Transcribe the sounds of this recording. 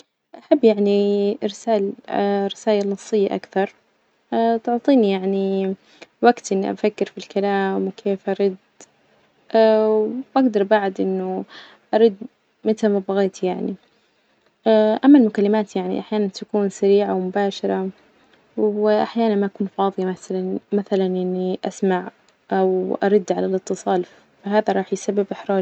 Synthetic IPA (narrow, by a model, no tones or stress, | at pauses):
ʔaħabːjaʕniɾsaːlɾˤːɪsaːjalnːɑsˤːɪjːa̰ʔa̰kθɑɾˤ | at̪ʊʕt̪ˤiːnijaʕni | waɡt̪ʔɪnːiʔa̰fakːɪɾfilkalaːmwkʰeːfʔɑɾˤiːd̪ | ʔawʔaɡd̪ɑɾˤbaʕd̪ʔɪnːʊ | ʔɑɾˤiːd̪̚ | mɪt̪amabɑɣeːt̪ʰijaʕni | ʔaʔamːalmʊkalːɪmaːt̪jaʕnḭʔaħjaːnant̪akuːnsaɾiːʕawmʊbaːʃɑɾˤɑ | wɪʔaħjaːnanmaʔakuːnfɑːðˤɨjamaθalanmaθalanʔɪnːiʔasmaʕ | ʔawʔɑ̰ɾˤɑd̪ːʕalalɨt̪ːɨsˤɑːl | faɦaːðaɾˤɑːħjsabːɪbʔɪħɾˤɑː